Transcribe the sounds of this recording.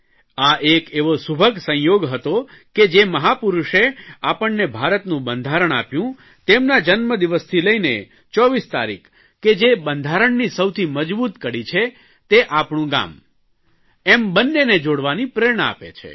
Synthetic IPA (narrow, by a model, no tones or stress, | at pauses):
aʔekeʋosubʱəɡsə̃jjoɡɦət̪oked͡ʒeməɦapuɾuʃeapəɳːebʱaɾət̪nũbənd̪ʱaɾəɽ̃a̰pjũ | t̪emnad͡ʒənməd̪iʋəst̪ʰiləinḛ | t͡ʃɔʋist̪a̰ɾḭkʰ | kːed͡ʒebənd̪ʱaɾəɳnisəwt̪ʰiməd͡ʒbut̪kəɾit͡ʃʰe | t̪eʔapɳũɡa̰m | embənːened͡ʒoɽʋanipɾeɾɳ̃aa̰pḛt͡ʃʰḛ